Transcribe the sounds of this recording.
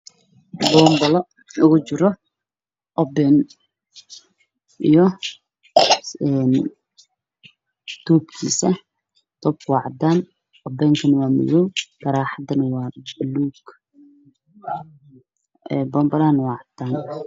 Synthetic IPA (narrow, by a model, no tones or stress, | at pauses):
bɔːmbɐlɔ | ʊɣʊt͡ʃɪɾɔ | ʔɔbɛːn | ʔijɔ | ɛːn | t̪ʰɔːb̚kʰḭːsɐ | t̪ʰɔːb̚kʰwɑʕd̪aːn | ʔɔbɛːŋkʰɐnɐwɑːmɪ̰jɔwkɐɾaːħɑd̪ɐnɐwɑːluːɡ | ɛbɔːmbɐlanwɑʕd̪aːn